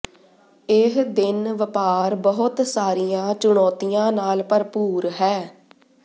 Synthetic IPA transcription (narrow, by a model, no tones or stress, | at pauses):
ɪɦd̪ɪnʋəpaːɾbəɦʊt̪saːɾijãːt͡ʃʊɳ̃ɔːt̪ijãːnaːlpəɾpuːɾɦɛː